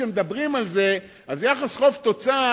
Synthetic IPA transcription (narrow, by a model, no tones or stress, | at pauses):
emed̪abʁimalze̞ | azjaχasχo̞ft̪o̞t͡sa